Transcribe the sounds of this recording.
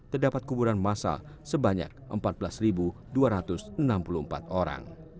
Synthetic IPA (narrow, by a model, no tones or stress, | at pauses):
t̪ərdapat̪̚kubuɾanmasa̰l | səbaɲa̰k̚ʔəmpat̪̚bəlasribu | duaɾat̪ʊsənampuluəmpa̰t̪oɾa̰ŋ